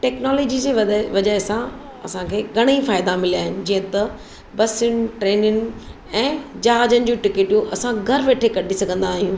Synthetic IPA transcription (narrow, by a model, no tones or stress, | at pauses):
ʈɛːknɔːloːd͡ʑid͡ʑeːɐʋɐd͡ʑaːɦɪsã | ɐsãkʰeːɡʱɐɽ̃ifaːɪd̪amɪliaːɦɪnɪ̆d͡ʑiːə̃t̪ɐ | bɐsʊñɪʈɾeːnʊnɪ̆ | ɛ̃ːd͡ʑaɦaːd͡ʑənɪ̆d͡ʑũʈɪkeːʈijũʔɐsãɡʱɐɾʋeːʈʰekɐɖʱisɐɡʱə̃nd̪aːɦijũː